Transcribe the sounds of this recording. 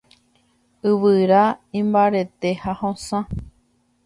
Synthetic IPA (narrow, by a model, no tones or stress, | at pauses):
ɨʋɨɾaĩmbaɾe̞t̪ehahõsã